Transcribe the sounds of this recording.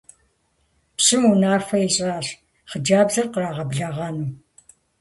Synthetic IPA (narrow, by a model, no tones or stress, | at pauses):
pɕɨmunaːfɐiɕʼaːɕ | χəd͡ʒaːbzɐrqəraːʁɐbɮɐʁɐnuː